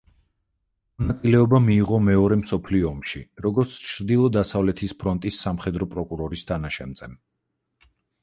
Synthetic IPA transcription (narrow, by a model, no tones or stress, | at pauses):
mɔnat̪sʼilɛɔbamiːʁɔmɛɔɾɛmsɔpʰliɔːmʃiɾɔɡɔɾt̪sʰt͡ʃʰɾd̪ilˠɔd̪asavlɛt̪ʰispʰɾɔnt̪ʼisːamχɛd̪ɾɔpʼɾɔkʼuɾɔɾist̪ʰanaʃɛmd̪zʼɛm